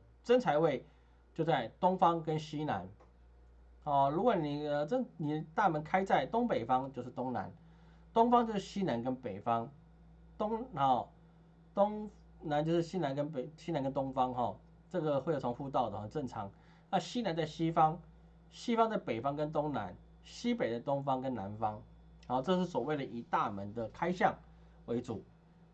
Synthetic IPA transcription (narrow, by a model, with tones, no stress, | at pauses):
t͡sə˥nt͡sʰa˧ɪwe˥˧ɪ | t͡ɕjo˥˧ʊt͡sa˥˩ɪt̪ʊ˥ŋfɑ˥ŋkə˦nɕi˦na̰˧˦n | hɔ˥˨˩ɻu˧˥kwɔ˨˩ni˨˩ə˧t͡sə˥˩ni˨˩t̪a˥˨mə˧˦nkʰa˥ɪt͡sa˥˩ɪt̪ʊ˥ŋpe˨ɪfɑ˥ŋt͡ɕjo˥˧ʊʂ̩˥˩t̪o˥ŋna̰˧˦n | t̪ʊ˥ŋfɑ˥ŋt͡ɕjo˥˧ʊʂɻ̩˥˩ɕi˦˥na˧˦nkə˦˥npe˨˩ɪfɑ˥ŋ | t̪ʊ˥ŋhɔ˥˩ | t̪ʊ˥ŋ | na˧˦nt͡ɕjo˥˧ʊʂɻ̩˥˩ɕi˦˥na˧˦nkə˦npe˨ɕi˥na˧˦nkə˦˥nt̪ʊ˥ŋfɑ˥ŋɦɔ˥˨ | ʈ͡ʂɤ˥˩ɡə˨we˥˧˨o˧˥ŋfu˥˧t̪ɑ˥˩ʊd̪ə˩xɔ˥˨˩ʈ͡ʂə˥˩nʈ͡ʂʰɑ˨˦ŋ | na˥˨ɕi˥na˧˦nt͡sa˥˩ɪɕi˦fɑ˥ŋ | ɕi˥fɑ˥ŋt͡sa˥˩ɪpe˨˩ɪfɑ˥ŋkə˦nt̪ʊ˥ŋna̰˧˦n | ɕi˦˥pe˨˩ɪd̪ə˦t̪ʊ˥ŋfɑ˥ŋkə˦nna˨˦nfɑ˦ŋ | hɔ˥˨ʈ͡ʂɤ˥˧ʂ̬̩˥˩swɔ˨˩we˥˩ɪdə˨˩ʔi˨˩t̪a˥˨mə˨˦nd̪ə˨kʰa˥ɪɕjɑ˥˨ŋ | we˧˥ɪt͡sṵ˨˩˦